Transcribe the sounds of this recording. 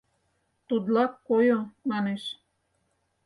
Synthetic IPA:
t̪ud̪lɑkːojomɑneʃ

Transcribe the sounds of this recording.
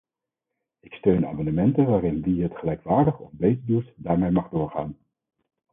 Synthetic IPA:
ɪkstøɥna̰ːmɑndəmɛntəʋaːɾɪnʋiɦətχəlɛjkʋaːɹdəχɔ̰fbejtədutdaːɹmejmɑχdʊːɹχa̰ːn

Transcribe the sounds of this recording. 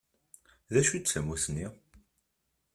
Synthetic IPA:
ðæʃit͡sːæmuθni

